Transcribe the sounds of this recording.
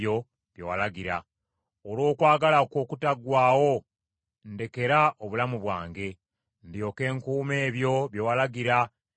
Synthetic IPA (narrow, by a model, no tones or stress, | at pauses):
o̞ | βjewalaɡiɾa | olo̞ːkwaːɡalakoːkutaɡwaːwo̞ | nde̞ke̞ɾaʔoβulamuβwaːŋɡe̞ | ndjo̞ːke̞ːŋkuːme̞ːβjo̞βjewalaɡiɾa